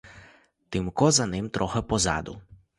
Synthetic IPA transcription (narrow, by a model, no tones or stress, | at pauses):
t̪ɪmkɔzɐnɪmt̪ɾʔɔxɛpɔzɑ̰d̪ʊ̰